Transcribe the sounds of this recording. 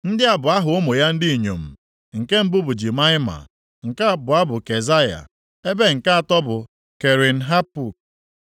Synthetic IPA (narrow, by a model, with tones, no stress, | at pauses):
n̩˦dɪ˦a˨bʊ˨a˦ɦʊ˨o˦mo˨ja˦n̩˦dɪ˦i˨ɲo˨m̩˨ | ŋ̩˨ke˦m̩˦bʊ˦bʊ˨d͡ʒi˨ma˦ɪ˦ma̰˨ | ŋ̩˨ka˦˨bʊ˨a˦bʊ˨ke˨za˦ja̰˨ | e˦be˦ŋ̩˨ka˦a˨tɔ˦bʊ˨ | ke˨ɾi˨n̩˨ɦa˦pu˨k